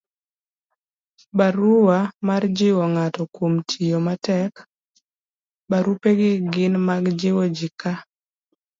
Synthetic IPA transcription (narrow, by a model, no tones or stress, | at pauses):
baɾuwamard͡ʒɪwɔŋatɔkwomtʰijomatɛk | baɾupeɡɪɡɪnmaɡd͡ʒɪwɔd͡ʒɪka